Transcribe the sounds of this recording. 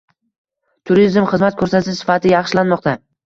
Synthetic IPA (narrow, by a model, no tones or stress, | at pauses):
t̪ʰʊɾizmχɨzmat̪̚kʰɵɾsat̪ʰɪʃsɪ̥fat̪ʰɪjɑχʃlanmɒqt̪a